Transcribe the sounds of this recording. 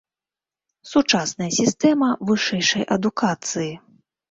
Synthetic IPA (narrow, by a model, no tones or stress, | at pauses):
sut͡ʂasnɐjɐsʲist̪ɛmɐvɨʂɛjʂɐjʔɐd̪ukʰat̪sɨji